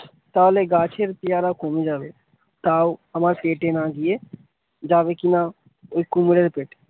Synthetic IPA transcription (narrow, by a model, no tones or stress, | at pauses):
t̪aːleɡaːt͡ʃʰeɾpɪjaːɾakoːmẽd͡ʒaːʋe | t̪aːuəmaːɾpeːʈenaːɡie | d͡ʒaːʋekina | oikːumɪɽəɾpeːʈe̥